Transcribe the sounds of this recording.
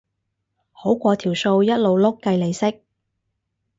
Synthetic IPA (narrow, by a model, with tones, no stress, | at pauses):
ho˨˥wkʷɔː˧t̪ʰiː˨˩wso˧wjɐ˥t̚lo˨˧wlʊ˥kːɐ˧jle˨˧jsɪ˥k̚